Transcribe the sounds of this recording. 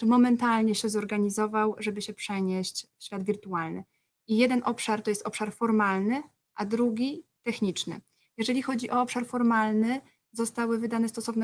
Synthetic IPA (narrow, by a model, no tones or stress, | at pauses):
mɔmɛnt̪alɲɛɕɛzɔɾɡaɲizɔvawʐɛbɘɕɛpʂɛɲeɕt͡ɕfɕfʲad̪vʲiɾt̪ualnɘ̰ | ijɛd̪ɛnʔɔpʂaɾt̪ɔjɛst̪ɔpʂaɾfɔɾmalnɘ | ʔad̪ɾuɡʲit̪ɛxɲit͡ʂnɘ̰ | jɛʐɛlʲixɔd͡ʑiʔɔɔpʂaɾfɔɾmalnɘ | zɔst̪awɘvɘd̪anɛst̪ɔsɔvnɛ